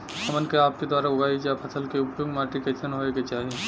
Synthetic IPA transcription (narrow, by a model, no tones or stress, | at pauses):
ɐmənkeaːp̚ked̪waːɾaʊɡʱaːid͡ʒapʰɐsəlkeʊpjoːɡmaːʈiket͡ʃʰənɦoːeɡet͡ʃaːɦie